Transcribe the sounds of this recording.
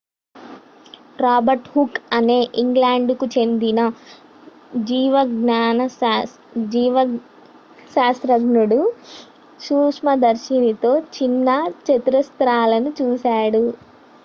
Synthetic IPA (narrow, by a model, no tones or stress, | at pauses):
ɾaːbɐɾʈhukɐne̞ːʔiŋɡlaːɳɖkut͡ʃe̞nd̪inɐ | d͡ʒiːʋɐɡnaːnɐ | d͡ʒiːʋɐ | ʃaːst̪ɾɐɡɳuɽu | suːkʂmɐd̪ɐɾʃinit̪o̞ːt͡ʃinːɐt͡ʃet̪ɾɐst̪ɾaːlɐnut͡ʃuːsaːɽu